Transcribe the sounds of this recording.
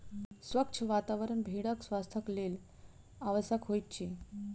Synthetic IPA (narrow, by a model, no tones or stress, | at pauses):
sʋəkt͡ʃʰəʋat̪aʋəɾəɳbʱeɽəksʋast̪ʰəkleːl | aʋəsakɦojt̪t͡ɕi